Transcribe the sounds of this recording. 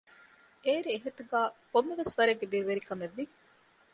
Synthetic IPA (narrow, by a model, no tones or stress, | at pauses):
eːɾieɦet̪uɡæːkomːeʋesʋɐɾeɡːebiːɾuʋeɾikɐmeʋːi